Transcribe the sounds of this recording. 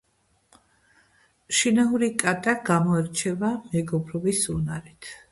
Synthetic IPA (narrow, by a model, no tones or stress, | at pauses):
ʃinauɾikʼat̪ʼaɡamɔɛɾt͡ʃʰɛvamɛɡɔbɾɔbisunaɾit̪ʰ